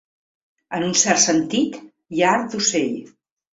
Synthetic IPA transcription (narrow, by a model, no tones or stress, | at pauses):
ənunsɛrt̪sənt̪it̪ | jaaɾt̪̚d̪useʎ